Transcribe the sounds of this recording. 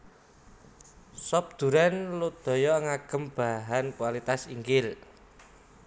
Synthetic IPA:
sɔp̚d̪̥ṳɾanlud̪̥ɔ̤jɔŋaɡ̥ə̤mb̥a̤ɦankualit̪asiŋkɪl

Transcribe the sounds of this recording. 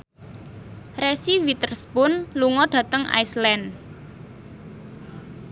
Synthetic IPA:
resiwit̪ərspʊnluŋɔɖ̥ä̤t̪əŋʔa̰islɛn

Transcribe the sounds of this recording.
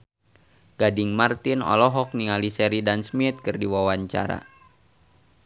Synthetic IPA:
ɡ̥adɪŋmart̪inɔ̰lɔɦɔk̚niŋalisɛɾidansmit̪̚kɨrdiwawaɲt͡ʃa̰ɾa̰

